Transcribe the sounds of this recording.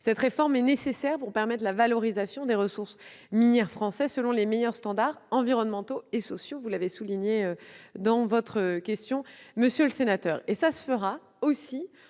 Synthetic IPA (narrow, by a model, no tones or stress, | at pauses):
sɛt̪χefɔʁmɛnesesɛʁpuʁpɛʁmɛt̪lavalɔʁizasjɔ̃d̪eʁəsuʁsminjɛʁfχɑ̃sɛsəlɔ̃lemejœʁst̪ɑ̃d̪aʁɑ̃viʁɔnmɑ̃t̪oesɔsjovulavesuliɲeød̪ɑ̃vɔt̪χəkʲɛst̪jɔ̃məsjøləsenat̪œːʁesasə̥fəʁa | osi